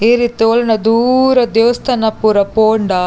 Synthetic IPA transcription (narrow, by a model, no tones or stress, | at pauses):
eːɾit̪ioːlɐnɐd̪uːɾɐd̪eʋɐst̪ʰɐnɐpːuɾɐpoːɳɖɐ